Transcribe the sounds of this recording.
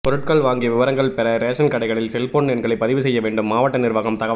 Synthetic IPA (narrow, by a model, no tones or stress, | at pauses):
pɔɾɯʈ̚kɐɭʋaːŋɡiʋɪʋɐɾɐŋɡɐɭpɛɾɐɾeːʂɐnkɐɽɐɪɣɐɭɪlsɛlpoɳɛnɡɐɭɐɪpːɐðɪʋɯsɛjːɐʋeːɳɖɯmːaːʋɐʈːɐnɪɾʋaːɣɐmt̪ɐɣɐ